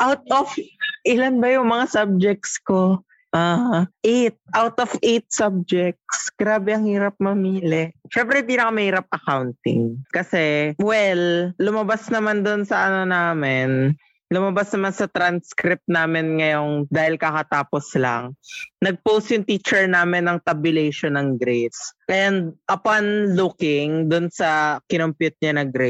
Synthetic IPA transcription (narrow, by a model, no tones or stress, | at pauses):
ʔawt̪̚ofʔɪlanbɐjʊŋmɐŋasab̚d͡ʒɛk̚sko | ʔaːʔet̪̚ʔawt̪ʔofʔejt̪̚sab̚d͡ʒɛk̚sɡ̥ɾaːbɛɐŋhiːɾɐp̚mɐmiːlɛʃɛmpɾɛhɪnd̪inɐkomɐhiːɾɐp̚ʔɐkawnt̪ɪ̰ŋkɐsɛwɛlːʊmɐbasnɐmand̪onsɐʔɐnonaːmɪn | lʊmɐbasnɐmansɐt̪ɾanskɾɪp̚t̪̚naːmɪnŋɐjo̞ŋd̪aːhɪlkakɐt̪aːposlɐ̰ŋnɐɡ̚powst̪jʊŋt̪iːt͡ʃɛɹnaːmɪnːɐŋt̪ɐbʊlɛjʃonɐŋɡɾesʔɐɛnd̪̚ʔɐpanlukɪŋd̪ʊnsɐkɪnompjʊt̪̚ɲanɐɡɾe